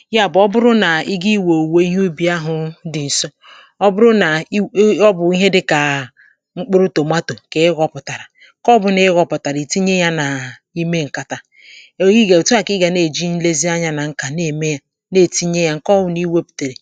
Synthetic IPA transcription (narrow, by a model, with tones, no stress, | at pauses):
ja˦˨bɔ˦bʊ˦ɾʊ˦na˨i˦ɡi˦wo˨we˦i˦ɦu˦bi˨˦a˦ɦʊ˨dɪ˨n̩˨sɔ˦ | ɔ˦bʊ˦ɾʊ˦na˨˦ɔ˦bʊ˨i˦ɦe˦dɪ˦ka˨ | ŋ͡m̩˦k͡pʊ˦ɾʊ˦to˨ma˦to˨ke˨˦ɡɔ˨pʊ˨ta˨ɾa˨˦ | kɔ˦bʊ˨ne˦ɣɔ˨pʊ˨ta˨ɾi˨ti˦ɲe˦ja˦na˨ | i˦me˦ŋ̩˨ka˨ta˨˦ | i˦ɡe˨tu˦a˨kɪ˦ɡa˨ne˨d͡ʒi˦n̩˦le˦zi˦a˦ɲa˨na˨ŋ̩˦ka˨ne˨me˦ja˨ | ne˦˨ti˦ɲe˦ja˦ŋ̩˦kɔ˦bʊ˨ni˦we˦pu̥˨te˨ɾe˨